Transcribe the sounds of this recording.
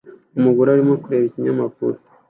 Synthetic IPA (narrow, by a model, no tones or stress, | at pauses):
umuɡuɾaɾimo̞kuɾe̞ːβiciɲamakṵɾo